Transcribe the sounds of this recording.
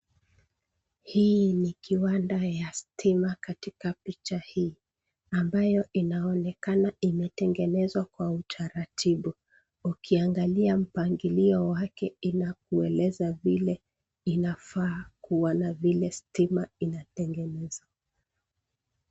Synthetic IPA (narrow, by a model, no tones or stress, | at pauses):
hiːnikiwandajastʰimakatikapit͡ʃahiː | ambajɔʔinaɔnɛkanaimɛtɛŋɡɛnɛzwakwautʰaɾatʰiɓu | ukʰiaŋɡaliam̩paŋɡiliɔwakɛinak̚uɛlɛzavilɛ | inafaːkuwanavilɛstimainatɛŋɡɛnɛza